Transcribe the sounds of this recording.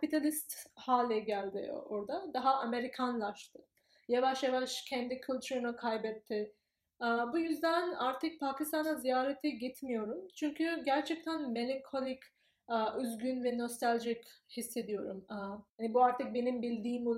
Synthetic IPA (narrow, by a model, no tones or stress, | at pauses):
kʰpit̪ʰalʲist̪haːlʲɛɟælʲd̪ɪ̰oɾd̪ad̪aɦaʔame̞ɾikʰanlˠaʃt̪ʰɯ̥ | javaʃjavaʃcʰɛnd̪icʰylʲt͡ʃ̪ʰyɾunɯkʰajbɛt̪ʰːɪ | bujyzd̪ænaɾt̪ʰɯk̚pʰaːcist̪ʰanazijaːɾet̪ʰɛɟit̪mijo̞ɾumt͡ʃʰyɲcʰyɟæɾt͡ʃʰɛc̚t̪ʰænme̞lʲiŋkʰolʲicː | yzɡynvɛno̞st̪alʲʒichisːe̞d̪ijo̞ɾumhanibuaɾt̪ʰɯk̚be̞nimbilʲd̪iːm